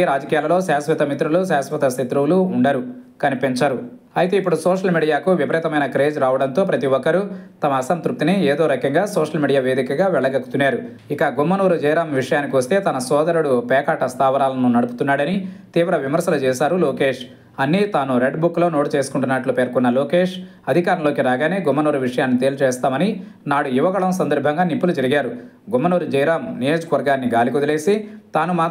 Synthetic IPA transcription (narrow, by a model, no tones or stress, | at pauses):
ɾaːd͡ʒɐkiːjaːlɐlo̞ːsaːsʋɐt̪ɐmit̪ɾulusaːsʋɐt̪ɐsit̪ɾuʋluːɳɖɐɾukɐnipeɲt͡ʃaːɾu | ɐjit̪e̞ːipːuɽusɔːʂɐlmiːɽijaːkuʋjipɐɾɛːt̪ɐmɐjnɐkɾe̞ːd͡ʒɾaːʋɐɽɐnt̪o̞ːpɾɐt̪iʋɔkːɐɾut̪ɐmɐːsɐnt̪ɾuk̚t̪inieːd̪o̞ːɾɐkɐŋɡaːsoːʂɐlmiːɽijaːʋe̞ːd̪ikɐɡaːʋɛɭːɐɡɐkːu̥t̪unːaːɾu | ikɐɡumːɐnuːɾud͡ʒɛːjɽaːmʋiʂɐjaːnikiʋɐst̪e̞ːt̪ɐnɐsɔːd̪ɐɾuɽupɛːkaːʈɐst̪aːʋɐɾaːlɐnunɐɽupu̥t̪unːaːɽɐnit̪iːʋɾɐʋimɐɾsɐlut͡ʃɛːsaːɾuloːke̞ːʂ | ɐnːit̪aːnuɾeɖbukːlo̞ːno̞ːʈit͡ʃe̞ːsu̥kuɳʈunːaʈloːpeːɾkɔnːɐloːke̞ːʂɐd̪ʱikaːɾɐnloːkiɾaːɡaːne̞ːɡumːɐnoːɾuʋiʂɐjaːnːit̪e̞ːlut͡ʃɛːst̪aːmɐni | naːɽuiʋɐɡɐɭɐmsɐnd̪ɐɾbʱɐŋɡaːnipːulud͡ʒɐɾiɡaːɾu | ɡumːɐnoːɾud͡ʒɐjɾaːmnijo̞ːd͡ʒɐkɐʋɐɾɡaːnːiɡaːlikɔd̪ile̞ːsit̪aːnumaː